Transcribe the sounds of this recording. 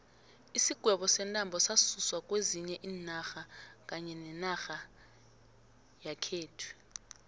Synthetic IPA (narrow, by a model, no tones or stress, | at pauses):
isiɡ̥ʱwɛɓɔsɛntʼambʱɔsasuswak̬ʼweziɲɛʔiːnaxak̬ʼaɲɛnɛnaxa | jakʰeːtʰwɛ̥